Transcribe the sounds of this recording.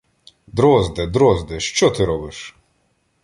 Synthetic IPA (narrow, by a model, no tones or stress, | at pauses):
d̪ɾɔzd̪ɛd̪ɾɔzd̪ɛʃt͡ʃɔt̪ɪɾɔbɪʃ